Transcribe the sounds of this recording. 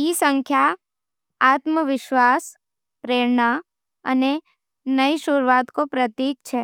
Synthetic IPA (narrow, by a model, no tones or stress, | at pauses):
isəŋkʰja | at̪məʋɪʃʋas | pɾeɾɳa | ə̰ne | nəiʃʊɾʋat̪kopɾət̪iːk̚t͡ʃʰe